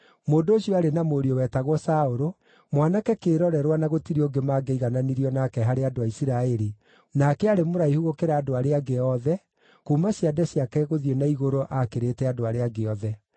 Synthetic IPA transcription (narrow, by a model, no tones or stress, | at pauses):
moːndoːʃiɔaɾenamoɾiowɛtaɣwɔsaoɾo | mwanakɛkeːɾɔɾɛɾwanaɣotiɾioɡemaɡeiɣananiɾiɔnakɛɦaɾeadoaisiɾaɛɾi | nakɛaɾemoɾaihuɣokeɾaːdoaɾeaɡeɔðɛ | kuːmaɕiadɛɕiakɛɣoðienaiɣoɾoʔakeɾeːtɛadoaɾeaɡeɔðɛ